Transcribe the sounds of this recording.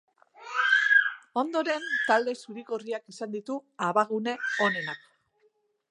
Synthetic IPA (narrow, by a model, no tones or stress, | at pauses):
o̞nd̪o̞ɾe̞nt̪ald̪e̞suɾikoriakisand̪it̪uaβaɣune̞o̞ne̞nak